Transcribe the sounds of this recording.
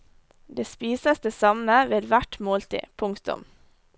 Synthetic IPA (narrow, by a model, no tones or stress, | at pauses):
d̪eːspiːsəsd̪eːsɑməʋeːd̪ʋæʈmoːlt̪ʰḭːpʰʊŋkt̪ʊ̰m